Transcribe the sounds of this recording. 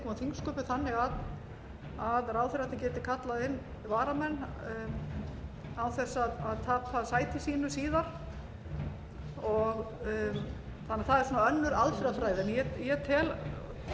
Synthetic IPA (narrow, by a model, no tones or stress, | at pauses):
kʰɔːmaθiŋkskɔːpɪθanːɪɣað | aðraːwθɪɾat̪ɪncɛːt̪ɪkʰat̪laðɪnː | vaːɾamɛnː | awθɛsːaðaðt̪ʰaːpasaːjt̪ʰɪsiːnʏsiːðaɾ̥ | ɔɣ | θanːɾθaðɛɾsuːnaœnːʏɾalfɾafɾaːjðɪɛnjɛjɛt̪ʰɛl